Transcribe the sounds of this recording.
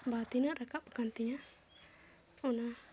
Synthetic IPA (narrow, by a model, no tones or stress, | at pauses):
bat̪inarakaʔpəkant̪iɲa | una